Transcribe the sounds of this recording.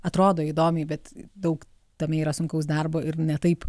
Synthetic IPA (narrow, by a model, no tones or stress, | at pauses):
ɐt̪ɾoːd̪oːid̪oːmʲɛɪbʲɛt̪d̪ɐʊk | t̪ɐmʲɛiːɾɐsʊŋkʲɐʊs̬d̪ɐrboːɪɾnʲɛt̪ɐɪp